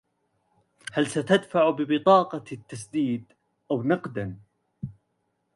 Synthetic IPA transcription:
halsat̪ad̪faʕbɪbɪt̪ˤɑːqɑt̪ːasd̪iːd̪ | ʔawnɑqd̪an

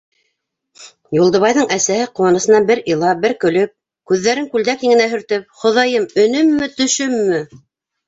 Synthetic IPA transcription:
julˠd̪ɤ̆βɑjðɤɴæsæhɘqŭwɑnɤ̆sɤ̆nɑnbɘɾilˠɑbɘɾkɵ̆lɵp̚ | kʉðːæɾɘŋkʉld̪ækhiŋɡɘ̆næɦɵ̆ɾt̪ɵp̚χŏðɑjɤmɵ̆nɵmːɘt̪ɵ̆ʃɵmːɘ

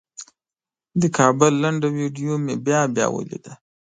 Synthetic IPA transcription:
d̪əkʰɑbəlːaɳɖawiɖijomebjɑbjɑ̰wə̰lḭd̪a

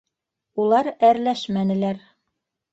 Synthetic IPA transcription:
ulˠɑɾæɾlæʃmænɘ̆læɾ

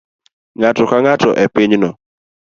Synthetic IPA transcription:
ŋatɔkaŋatɔʔɛpiɲnɔ

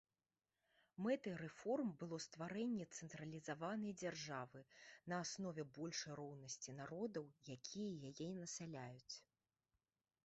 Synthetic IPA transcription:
mɛt̪ɨjɾɛfɔrmbɨlˠɔst̪vaɾɛnʲːɛt̪sɛnt̪ɾɐlʲizavanɐjd͡zʲarʐavɨnɐːsnɔvʲɛbɔlʲʂɐjɾɔwnɐsʲt͡sʲinaɾɔd̪ɐwjakʲʰijɛjajɛnɐsalʲajut͡sʲ

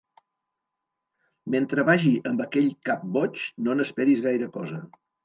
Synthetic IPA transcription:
ment̪ɾəβaʒiʔəmbəkɛʎkap̚bɔt͡ʃnonəspɛɾizɣajɾəkɔzə

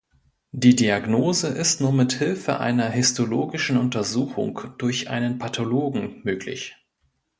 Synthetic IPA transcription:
d̥iːdiaɡnoːzəʔɪstnuːɐmɪthɪlfə̰ʔa̰ɪnɐɦɪstʰoloːɡɪʃn̩ʊntɐzuːxʊ̰ŋkd̥ʊɐçʔa̰ɪnənpʰatʰoloːɡŋ̩møːklɪ̰ç

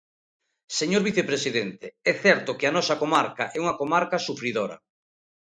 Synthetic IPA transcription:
seɲoɾβiθepɾesiðent̪eɛθɛɾt̪okɪanɔsɐkomaɾkaʔɛuŋɐkomaɾkasufɾiðoɾɐ̰

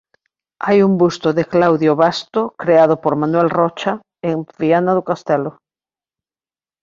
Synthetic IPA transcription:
ajumbust̪oðeklawðjoβast̪okɾeaðopoɾmanwɛlrɔt͡ʃa | eŋfianaðokast̪ɛlo

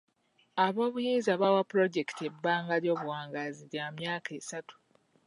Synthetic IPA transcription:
aβo̞ːβujiːnzaβawapuɾo̞ɟe̞kte̞bːaːŋɡaɾjo̞ːβuwaːŋɡaziɾjamjaːkʰe̞satu̥

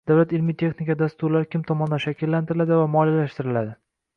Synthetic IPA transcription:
d̪̥awlat̪ɪlmit̪ʰe̞χnɪkʲad̪ast̪ʊɾlaɾɪkʲʰɪmt̪ʰɒmɒnd̪anʃakʲʰɪlːant̪ɪɾɪlad̪ɪvamɒlijalaʃt̪ɪɾɪlad̪ɪ

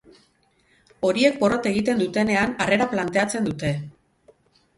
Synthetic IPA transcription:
o̞ɾie̞k̚bo̞ro̞t̪e̞ɣ̞it̪e̞nd̪ut̪e̞ne̞anare̞ɾaplant̪e̞at͡se̞nd̪ut̪e̞

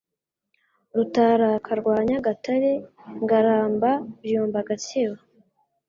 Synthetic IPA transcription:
ɾutaɾakʰaɾɡwaːɲaɡataɾeŋɡaɾaːmbabjuːmbaɡat͡ʃiwa

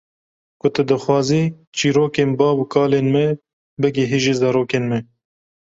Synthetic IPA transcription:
kʊt̪ɨd̪ɨxwɑːziː | t͡ʃiːɾoːkeːnbɑːbukʰɑːleːnmɛ | bɨɡeɦeːʒeːzɛɾoːkeːnmɛ

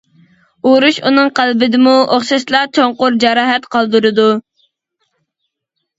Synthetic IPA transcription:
oɾuʃunɨŋqʰælbɪd̪ɪmuʔoχʃɑʃlˠɑt͡ʃʰoŋqʊɾd͡ʒɑɾɑːɦɛt̪qʰɑlˠd̪ɨɾɨd̪u

